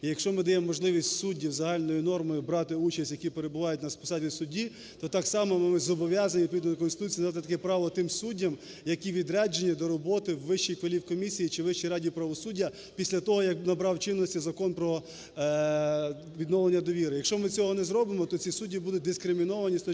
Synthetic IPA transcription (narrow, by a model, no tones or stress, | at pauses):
ijɐkʃt͡ʃɔmɪd̪ɐjɛmɔːɔʒlˠɪʋʲisʲtʲsudʲːiwzɐɦɑlʲnɔjinɔrmɔjʊbɾɑt̪ɪut͡ʃɐsʲtʲjɐkʲipeɾebʊʋɑjʊt̚ʲnɐspɪ̥sɑvʲisʊdʲːi | t̪ɔt̪ɑksɑmɔmɪmɪzɔbɔʋʲjɑzɐnʲipɔʋʲid̪nɔd̪ɔk̬ɔnsɪt̪ut͡sʲind̪at̪ɪt̪ɐkɛpɾɑʋɔt̪ɪmsudʲːɐm | jɐkʲiʋʲid̪ɾɛd͡ʒenʲːid̪ɔɾɔbɔt̪ɪwːɪʃt͡ʃijkʋɐlʲiwkɔmʲisʲijit͡ʃɪʋɪʃt͡ʃijɾɑdʲiwpɾɐʋɔsudʲːɐ | pʲisʲlʲɐt̪ɔɦɔjɐknɐbɾɑwt͡ʃɪnːɔsʲtʲizɐkɔnpɾɔ | ʋʲid̪nɔʋlˠenʲːɐd̪ɔʋʲiɾɪjɐkʃt͡ʃɔmɪt͡sʲɔɦɔnɛzɾɔbɪmɔt̪ɔt͡sʲisudʲːibud̪ʊt̚ʲd̪ɪskɾɪmʲinɔʋɐnʲist̪ɔ